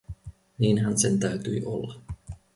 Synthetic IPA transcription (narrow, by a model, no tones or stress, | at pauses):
niːnɦænsent̪æyt̪yːʔo̰lːɑ